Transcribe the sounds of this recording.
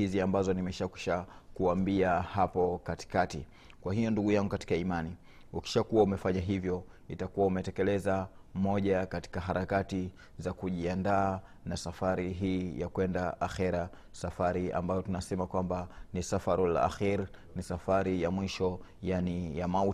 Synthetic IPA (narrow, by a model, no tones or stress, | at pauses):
iziambazɔnimɛʃaki̥ʃakuambiahapɔkati̥kati | kwaɦijɔnduɠujaŋɡukati̥kaimani | uki̥ʃakuwaumɛfaɲaɦivjɔ | itakuwaumɛtɛkɛlɛzamɔʄakati̥kaɦaɾʔakati | zakuʄiandaː | nasafaɾiɦiːjakwɛndaʔaxɛɾa | safaɾia̰mbajɔtunasɛmakwambanisafaɾila̰ːxiɾnisafaɾijamwiʃɔjanijamau